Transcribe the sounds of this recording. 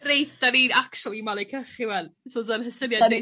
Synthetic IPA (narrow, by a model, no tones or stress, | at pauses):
rejtʰd̥aniːnakʃulˠimalˠekʰəχɪwɛnsodanhəsənja